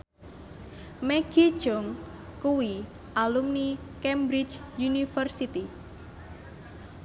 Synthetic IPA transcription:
mɛɡ̥i̥d͡ʒɔŋ | kuwi | ʔalumnikɛmbɾit͡ʃ | junifərsit̪i

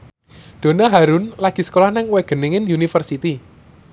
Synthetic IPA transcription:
d̪̥o̤naɦaɾʊnlaɡ̥i̤sə̥kolahnaŋweɡ̥ə̤nɪŋɪnunifərsit̪i

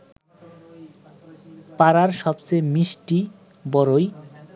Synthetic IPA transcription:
paɾaɾʃɔbt͡ɕemiʃʈi | bɔɾoj

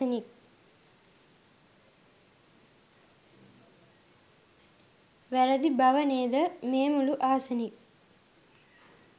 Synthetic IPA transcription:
ɐnik | ʋɛɾɐd̪ibʱɐʋɐneːd̪ɐmeːmuluʔaːsɐnik

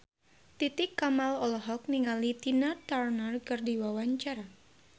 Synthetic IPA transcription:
t̪it̪ɪkːamalɔlɔɦɔk̚niŋalit̪inat̪arnərkɨrdiwawaɲt͡ʃaɾa

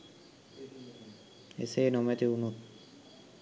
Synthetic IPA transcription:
ḛsenɔmet̪iunut̪̚

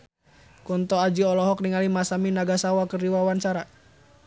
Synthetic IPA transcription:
kunt̪ɔad͡ʒiɔlɔɦɔk̚niŋalimasaminaɡasawakərdiwawant͡ʃaɾa

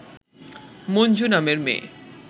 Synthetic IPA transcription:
mond͡ʑunameɾmḛː

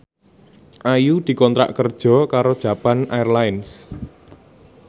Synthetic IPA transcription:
ʔajud̪̥i̤kɔnt̪ɾa̰ʔkərd̥ʒ̥ɔ̤kaɾod̥ʒ̥a̤panaɛrlaɪns

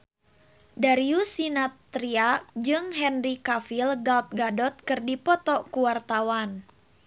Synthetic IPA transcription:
daɾiusinat̪ːɾiak̚d͡ʒɨŋɦɛnrikafilɡalt̪̚ɡadɔt̪̚kɨrdipɔt̪ɔkuwart̪awan

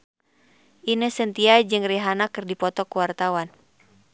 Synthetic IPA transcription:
ʔinəhsənt̪iad͡ʒɨŋriɦanakɨrdipɔt̪ɔkuwart̪awan

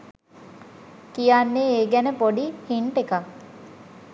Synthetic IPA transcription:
kijanːeeːɡænəpoɖihiɳʈekak

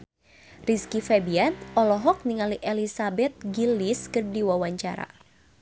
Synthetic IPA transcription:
riskifɛbiant̪ɔlɔɦɔk̚niŋaliʔɛlisabɛt̪̚ɡiliskərdiwawaɲt͡ʃa̰ɾa̰

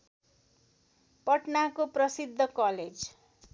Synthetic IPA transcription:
pʌʈnakoprʌsid̪ʱːʌkʌled͡z

